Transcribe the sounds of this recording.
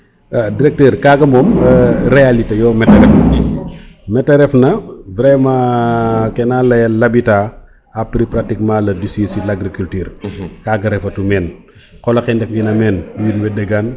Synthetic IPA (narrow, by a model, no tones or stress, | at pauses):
diɾɛk̚tɛːɾkaɡɐmɔːmɾealitejɔːmɛtɐɾɛfnɐ | mɛtːɐɾɛfnɐvɾɛma | kɛnaːlɐjɐlɐbitaː | apɾipɾatikmãːlɐdisisilaɡɾikultyːɾkaːɡɐɾɛfɐtumɛːn | kɔlɐkɛndɛfinɐmɛːnijunwɛdɛɡan